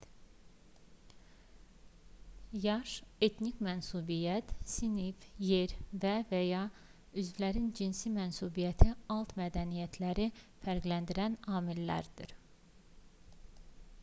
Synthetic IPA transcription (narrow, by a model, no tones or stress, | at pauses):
jɑʃe̞t̪ʰnikmænsubijæt̪ʰsinifje̞ɾvævæjɑ | yzvlæɾind͡ʒinsimænsubijæt̪ʰiɑlˠt̪mæd̪ænijæt̪ʰlæɾi | fæɾɡlænd̪iɾænɑːmilːæ̰ɾd̪iɾ